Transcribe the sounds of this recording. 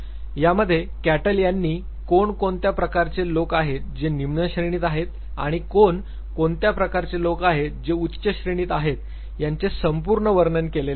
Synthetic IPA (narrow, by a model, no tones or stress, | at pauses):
jaməd̪ʱːjekæʈəljanːiː | koɳkoɳt̪japɾəkaɾt͡selokaɦet̪d͡ʑenimnəɕɾeɽ̃iːt̪aɦet̪ | a̰ɽ̃ikoɳ | koɳt̪japɾəkaɾt͡selokaɦed͡ʑeutːɕəɕɾeɽ̃iːt̪aɦet̪ | jaɲt͡sesəmpuɾɳəʋəɾɳənkelel